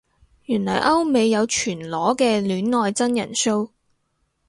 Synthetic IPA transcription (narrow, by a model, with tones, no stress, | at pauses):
jyː˨˩nlɔ̰ː˨˩jʔɐ˥wme˨˧jːɐ˨˧wt͡ʃʰyː˨˩nlɔː˨˥kɛː˧lyː˨˥nŋɔː˨jt͡sɐ˥njɐ̰˨˩nso˥w